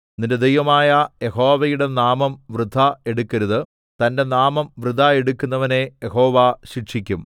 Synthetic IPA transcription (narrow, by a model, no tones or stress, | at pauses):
ninded̪ejʋɐmaːjɐje̞ho̞ːʋɐjuɽe̞naːmɐmʋrɨd̪ʱːɐe̞ɽukːɐɾuðɨ | t̪ɐnde̞naːmɐmʋrɨd̪ʱae̞ɽukʲːunːɐʋɐne̞jeɦo̞ːʋaɕiʈʂikʲːum